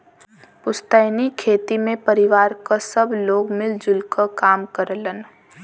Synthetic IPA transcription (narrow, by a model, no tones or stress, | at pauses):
pʊst̪əɪnikʰeːt̪imẽpəɾɪʋaːɾkasəbloːɡmɪld͡ʒʊlkəkaːmkəɾlən